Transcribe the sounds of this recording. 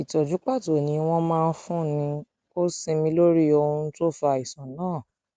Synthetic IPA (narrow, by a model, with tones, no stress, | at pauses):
i˨tɔ˨d͡ʒu˨˦k͡pa˦˨to˨nĩ˧˦w̃ɔ̃˦mãː˦˧n̩˧fũ˦nĩ˧ | ko˦sĩ˧mĩ˧lo˦ɾi˦o˧ũ˧n̩˦to˦fa˧˨i˨sã˨nãː˦˨